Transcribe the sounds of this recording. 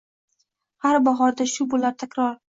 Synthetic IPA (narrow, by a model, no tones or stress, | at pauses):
haɾbaɦɒɾd̪aʃʊbolaɾt̪ʰakʲɾɒɾ